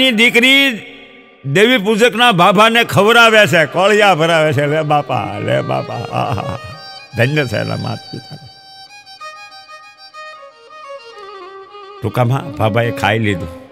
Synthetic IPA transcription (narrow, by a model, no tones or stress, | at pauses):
id̪ikɾi | d̪eʋipud͡ʒəknabʱabʱanekʰəʋɾaʋet͡ʃʰekɔɭjabʱəɾaʋet͡ʃʰelebapa̰lḛba̰pa̰ɦa̰ɦa̰d̪ʱənjəsɛ̰la̰ma̰t̪̚kit͡ʃ̪aɾe | ʈʊkamã̰bʱabʱaekʰa̰ilid̪ũ